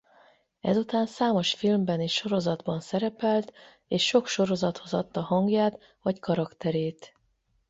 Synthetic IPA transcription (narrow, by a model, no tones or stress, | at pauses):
ɛ̰zut̪aːnsaːmo̞ʃfilmbɛniːʃʃo̞ɾo̞zɒd̪bɒnsɛɾɛpɛlt̪ | eːʃːo̞kʃo̞ɾo̞zɒt̪ho̞zɒt̪ːɒhɒŋɡjaːt̪ | vɒckɒɾɒkt̪ɛɾeːt̪